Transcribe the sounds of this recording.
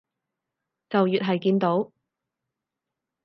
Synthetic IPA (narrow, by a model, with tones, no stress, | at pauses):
t͡sɐ˨wjyː˨t̚ɦɐ˨jkiː˧nt̪o˨˥w